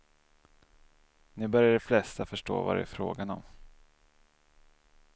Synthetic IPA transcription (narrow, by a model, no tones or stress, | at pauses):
nɪbœɾjaɖɛflɛst̪afœʂʈo̰ːva̰ɾɛ̰fɾo̰ːɡanɔ̰m